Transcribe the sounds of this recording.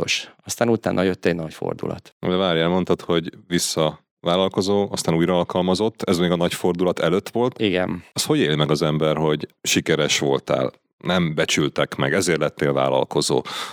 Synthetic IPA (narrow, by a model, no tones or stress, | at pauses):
oʃɒst̪aːnut̪a̰ːnʔɒjøt̪ːɛɟnɒɟfo̰rd̪ṵlɒ̰t̪d̪ɛvaːɾɛlmo̞nt̪ɒt̪ho̞ɟʋisːɒ | vaːlɒlko̞zoːɒst̪aːnuːjrɒɒlkɒlmɒzo̞t̪ːɛzmeːɡɒnɒɟfo̞rd̪ulɒt̪ɛløt̪ːʋo̞lt̪iɡɛ̰nɒsho̞ɟeːlimɛɡɒzɛmbɛrho̞ɟʃikɛɾɛʃʋo̞̰lt̪a̰ːl | nɛmbɛt͡ʃylt̪ɛkmɛ̰ɡɛzeːrtlɛt̪ːeːlva̰ːlɒ̰lko̞zo̰ː